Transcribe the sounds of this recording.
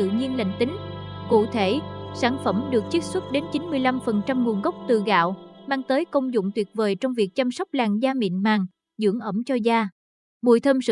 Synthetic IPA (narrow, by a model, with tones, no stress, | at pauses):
ɨ̰˧˨ɲi˧ənlə̰˧˨ŋ̟t̪ï˨˦ŋ̟kṵ˧˨t̪ʰe˧˩saː˧˩nfə˧˩mɗɨ˨˩ək̚t͡ɕi˦˥t̚swə˦˥t̚ɗe˨˦nt͡ɕi˨˦nmɨ˧əjla˧mfə˨˩nt͡ɕa˧mŋu˨˩ənɣə˦˥wk͡p̚t̪ɨ̰˧˨˩ɣa̰ː˧˨wmaː˧ŋt̪əː˨˦jkə˧wŋ͡mzʊ̰˧˨ŋ͡mt̪wi˨˩ət̚vəː˨˩jt͡ɕɔ˧wŋ͡mvi˨˩ək̚t͡ɕa˧msɔ˦˥wk͡p̚laː˨˩ŋzaː˧mḭ˧˨ənmaː˨˩ŋ | zɨ̰˧˥əŋʔə˧˩mt͡ɕɔ˧zaː˧ | ɓṵ˧˨jt̪ʰə˧msɨ̰˧